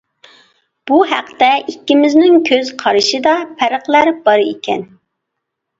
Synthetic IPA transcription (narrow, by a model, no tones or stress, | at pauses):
b̥uɦæqt̪ɛʔikʲːɪmɪznɪŋkʲʰøzqʰɑɾɨʃɨd̪ɑpʰæɾəχlˠæɾb̥ɑɾɨikʲɛ̰n